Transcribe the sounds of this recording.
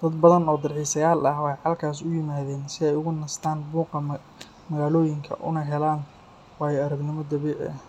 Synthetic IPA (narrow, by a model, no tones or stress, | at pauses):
d̪̥ɐd̪bɐðɐnɔːd̪ɐrʕiːsɐjaːlɐhwɛjħɑlkʰaːsʊjɪmaːðɛːnsɪɛjʊɣʊnɐst̪ʰaːnbuːqɐ | mɐɣaːlɔːjɪŋkʰɐ̰ʔʊ̰nɐɦɛlaːn | wɑːjɛɐɾɐɡnɪmɔd̪ɐβiːʕ̰